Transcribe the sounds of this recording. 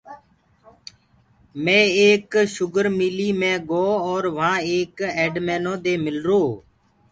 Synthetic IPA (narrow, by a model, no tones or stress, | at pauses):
mẽːeːkʃʊɡəɾmiːliːmẽːɡoːɔːɾʋãːeːkeːɖmeːnõːd̪eːmɪlɾoː